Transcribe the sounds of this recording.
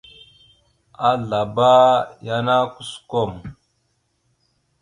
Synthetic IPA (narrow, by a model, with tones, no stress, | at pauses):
a˨ɮa˨ba˦ja˦na˦ku˦sko˦˨m